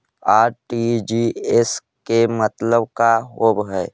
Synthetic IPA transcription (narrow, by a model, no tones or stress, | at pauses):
aːɾʈid͡ʒies | kemət̪ləbkaɦoːbɦɛː